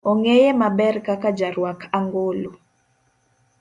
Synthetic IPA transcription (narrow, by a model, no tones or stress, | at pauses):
ɔŋejemabɛrkakad͡ʒaɾwakʰaŋɡolo